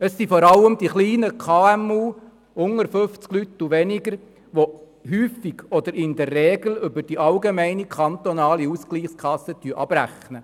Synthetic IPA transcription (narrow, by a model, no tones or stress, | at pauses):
əsːifɔɾɑlːəmd̪iχliːnəkʰɑːɛmuː | ʊŋəɾfɵft͡sklyt̪ːuʋɛnɪɡəɾ | ʋo | hyːfiɡɔd̪əɾɪnd̪ɛrːɛːɡl̩ʏbəd̥iʔɑlɡemæɪnikʰɑnt̪ɔnɑːliuskliːχskʰɑsət̪yəʔɑ̰b̥ræ̰χnə